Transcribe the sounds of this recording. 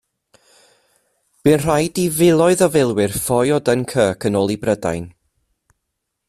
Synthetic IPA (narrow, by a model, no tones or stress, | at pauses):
b̥ɨnr̥ajdivɪlˠɔɨðɔvɪlˠwɪrfɔjɔdənkʰəːkʰənɔːlˠibrəda̰jn